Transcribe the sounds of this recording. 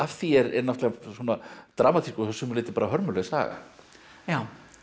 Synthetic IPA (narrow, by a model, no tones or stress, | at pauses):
afθiɛɾɛ̰ɾnaft̪lɛɣaswɔːnat̪ɾaːmat̪ʰiskʏɔsɛmʏɾlɪːt̪ɪpaːɾaɦœɾmʏlœɣsa̰ːɣa̰ | jaw